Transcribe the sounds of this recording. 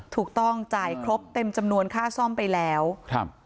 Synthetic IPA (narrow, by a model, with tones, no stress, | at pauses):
t̪ʰuː˨˩k̚t̪ɔ˥˩ŋt͡ɕaː˨˩jkʰɾo˦˥p̚t̪e˧mt͡ɕa˧mnu˧ənkʰaː˥˩sɔ˥˩mpa˧jlɛː˦˥wkʰ